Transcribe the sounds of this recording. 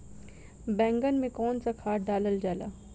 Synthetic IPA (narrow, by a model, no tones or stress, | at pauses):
bɛ̃ŋɡənmẽkɔːnt͡sakʰaːʈ̚ɖaːləld͡ʑala̰ː